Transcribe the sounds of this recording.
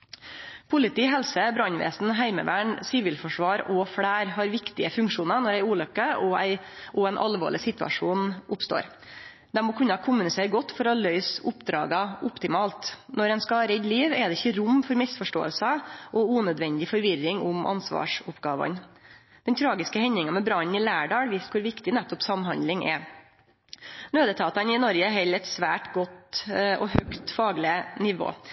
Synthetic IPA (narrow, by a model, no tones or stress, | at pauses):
pʰʊlɪt̪iːɦɛlsəbɾɑɲʋḛːsn̩ɦæɪmə̰ʋæːɳsɪʋɪːlfɔʂʋɑːɾɔfɽæːɾhɑːɾʋɪkt̪ɪəfʉŋkʂuːnənɔɾæɪuːlœkːəɔæ̰ɪʔɔɛnʔɑ̰lʋo̰ːɭɪsɪt̪ʋɑ̰ʂuːnʔʊpst̪o̰ːɾ | d̪̥ɛmoːkʰʉnɑkʰʊmbʉnɪseːɾɡɔt̪ːfɔɾɔlœʏsʊpd̪ɾɑ̰ːɡɑʔʊpt̪ɪmɑːlt̪nɔɾɛnskɑːɾɛd̪liːʋɛd̪ɛɪçːəɾʊmːfɔɾmɪsfɔʂʈo̰ːə̰lsɑʔɔuːnœd̪ʋɛnd̪ɪfɔɾʋɪrːɪŋʊmʔɑ̰nsʋɑ̰ːʂʊpɡɑːʋɑ̰n | d̪̥ɛnt̪ʰɾɑːɡɪskəhɛɲːɪŋɑmɛbɾɑɲnɪlæːɖɑːʋiːst̪kʰʊɾʋɪkt̪ɪnæt̪ːɔpsɑmɦɑnd̪lɪŋʔɛ̰ | nøːd̪ət̪ʰɑːt̪ɑnɪnɔɾɡəɛɦɛlːɛt̪sʋæːʈɡɔt̪ɔhœkt̪fɑːɡlɪnɪʋo̰ː